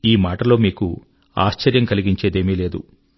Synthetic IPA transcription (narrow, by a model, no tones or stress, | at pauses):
iːmaːʈɐlo̞ːmiːku | a̰ːʃt͡ʃɐɾjɐŋkɐliɡiɲt͡ʃe̞ːd̪eːmiːle̞ːd̪u